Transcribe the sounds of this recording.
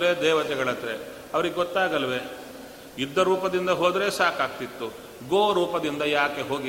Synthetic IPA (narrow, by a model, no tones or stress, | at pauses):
ɾeːd̪ɛːʋɐt̪ɛɡɐɭɐt̪ɾe | ɐʋɐɾiɡeɡɔt̪ːaːɡɐlʋe̞ | id̪ːɐɾuːpɐd̪ind̪ɐɦoːd̪ɾe̞ːsaːkaːɡ̚t̪it̪ːu | ɡoːɾuːpɐd̪ind̪ɐjaːke̞ɦo̞ːɡi